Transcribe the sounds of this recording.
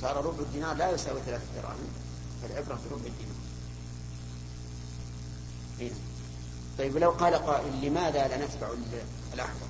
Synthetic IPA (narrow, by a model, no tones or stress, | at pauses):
sˤɑːɾˤɑɾˤʊːbʊd̪ːiːnɑːɾˤlajʊsaːwiθalaːθad̪ɑ̰ɾˤɑ̰ːhɪ̰n | falʕɪbɾˤɑfiɾʊbʕɪd̪ːiːnɑ̰ːɾˤ | ʔejnaː | t̪ˤɑjːɪblawqɑːlaqɑːʔɪlːɪmaːðalanɪt̪baʕ | ɪlʔa̰ħwɑ̰ˤ